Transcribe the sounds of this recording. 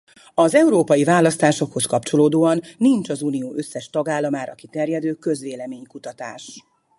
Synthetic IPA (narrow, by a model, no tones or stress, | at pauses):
ɒzɛuɾoːpɒjivaːlɒst̪aːʃo̞kho̞skɒpt͡ʃo̞loːd̪oːɒnːint͡ʃɒzuːnijoːʔø̞sːɛʃt̪ɒɡaːlːɒmaːɾɒ̰ki̥t̪ɛrjɛd̪øːkø̞zʋeːlɛmeːɲkut̪ɒt̪a̰ːʃ